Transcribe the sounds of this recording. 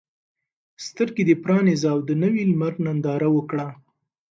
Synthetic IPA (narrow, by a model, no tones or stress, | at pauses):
st̪əɾked̪epɾɑnizawd̪ənəwilmaɾnand̪ɑɾawəkɽa